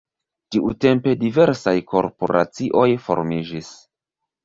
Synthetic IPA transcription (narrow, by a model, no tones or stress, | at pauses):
tiʔute̞mpe̞dive̞ɾsajkʰo̞̰ɾpo̞̰ɾa̰t͡siʔo̞jfo̞̰ɾmid͡ʒis